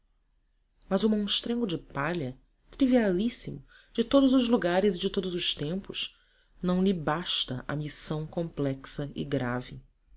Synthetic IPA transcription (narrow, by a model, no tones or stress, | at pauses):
mɐzʊmõʃt̪ɾẽŋɡʊd͡ʒɪpaʎɐ | t̪ɾivialisimʊ | d͡ʒɪt̪od̪ʊzʊzluɡaɾɪzɪd͡ʒɪt̪od̪ʊzʊʃt̪ẽmpʊʃ | nɐ̃w̃lɪbaʃt̪ɐʔɐ̰misɐ̃w̃kõmplɛksɐɪ̰ɡɾa̰vɪ